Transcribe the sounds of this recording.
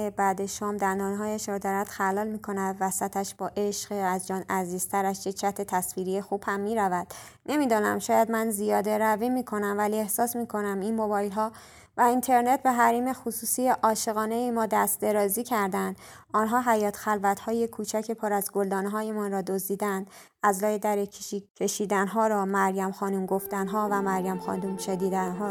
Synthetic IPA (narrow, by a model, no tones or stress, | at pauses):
ebæːd̪eʃɒːmd̪æɾnd̪ɒːnɦɒːjæʃɾɒːd̪ɒːɾæd̪̥xælɒːlmiːkʰo̞næd̪væsæt̪ʰæʃb̥ɒːʔe̞ʃɢæzd͡ʒɒːnæziːz̥t̪ʰæɾæʃjet͡ʃʰæt̪ʰet̪ʰæsviːɾijexuːb̥hæmːiːɾævæd̪̥ | ne̞miːd̪ɒːnæmʃɒːjæd̪mænzijɒːd̪e̞ɾævimiːkʰo̞næmvælie̞hsɒːsmiːkʰo̞næminmo̞bɒːjlɦɒː | væint̪ʰe̞ɾne̞t̪̚ʰbe̞ɦæɾiːme̞xusuːsiːjeʔɒːʃe̞ɣɒːne̞jemɒːd̪æst̪̚d̪e̞ɾɒːziːcʰæɾd̪ænd̪̥ | ɒːnɦɒːɦæjɒːt̪ʰxælvæt̪ʰhɒːjekʰuːt͡ʃʰæcʰepʰɒɾæzɡo̞ld̪ɒːneɦɒːjemɒnrɒːd̪ozd̪iːd̪ænd̪ | æzlɒːjed̪æɾecʰeicʰeʃiːd̪ænɦɒːɾɒːmæɾjæmxɒːnumɡo̞ft̪ænɦɒːvæmæɾjæmxɒ̰ːnumʃed̪iːd̪ænɦɒː